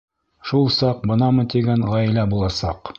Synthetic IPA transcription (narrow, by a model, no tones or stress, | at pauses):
ʃulˠsɑq̚bɤnɑmɤ̆t̪iɡæɴʁɑjlæbulˠɑsɑq